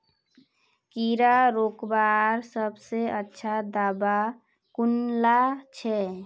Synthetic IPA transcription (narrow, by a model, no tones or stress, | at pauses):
kiɾaɾoːkbaɾsəbseətːʃʰad̪aːba | kunlat͡ʃʰɛ